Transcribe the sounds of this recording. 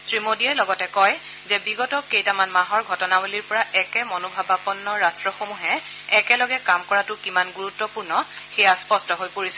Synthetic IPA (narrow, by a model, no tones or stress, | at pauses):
sɹimodiɛlɔɡɔtɛkɔj | zɛbiɡɔtɔkejtamanmaɦɔɹɡʱɔtɔnabuliɹpɔɹaʔɛkɛmɔnobʱabapɔnːɔɹastɹɔxomuɦɛː | kɛlɔɡɛkamkɔɹatʊkimanɡuɹutːɔpuɹnɔ | xejaspɔstɔɦojpoɹisɛ